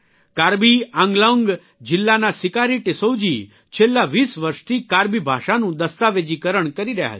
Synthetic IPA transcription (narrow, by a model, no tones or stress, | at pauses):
kaɾbiãŋɡlõŋɡ | d͡ʒɪlːanasɪkaɾiʈɪsod͡ʒi | t͡ʃʰelːaʋiːsʋəɾʃt̪ʰikaɾbibʱa̰ʃanũd̪əst̪aʋed͡ʒikəɾəɳkəɾiɾəɦja̰t͡ʃ